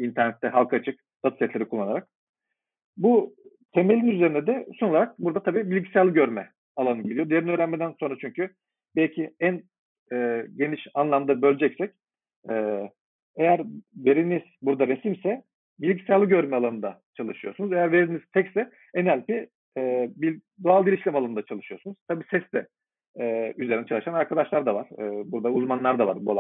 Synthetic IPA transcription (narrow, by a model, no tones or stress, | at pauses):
int̪ʰæɾnɛt̪ʰːɛɦalˠkʰat͡ʃʰɯk | d̪̥at̪lʲɛt̪lʲe̞ɾikʰulˠːanaɾak̚ | bu | t̪ʰe̞me̞lʲinyzeɾind̪ɛd̪ɛsonolˠaɾak̚buɾd̪at̪ʰabiːbilʲɟisɛlʲˠːɯɟøɾmɛ | alˠanɯɟe̞lʲijod̪ijeɾiniøːɾænmed̪ænso̞nɾat͡ʃʰyɲcʰy | bɛlʲcʰiæn | ɛːɟe̞niʃanlˠamd̪abø̞lʲd͡ʒɛcsɛc | ɛː | e̞jæɾve̞ɾiniz̥buɾd̪aɾe̞simsɛ | bilʲɟisʲalˠɯɟø̞ɾmɛalˠanɯnd̪at͡ʃʰalˠɯʃɯjo̞sunuze̞jæɾve̞ɾiniz̥t̪ʰɛcsɛ | ɛnɛlʲci | ɛbi | d̪o̞alˠilʲiʃlʲɛmalˠannd̪at͡ʃʰalˠɯʃɯjo̞ɾsunuz̥t̪ʰabiːsɛsd̪ɛ | ɛːyze̞ɾinɛt͡ʃʰalˠɯʃanaɾkʰad̪aʃlˠaɾd̪avaɾ̥ɯːbuɾd̪auzmanlˠaɾd̪ava̰ɾbua̰lˠa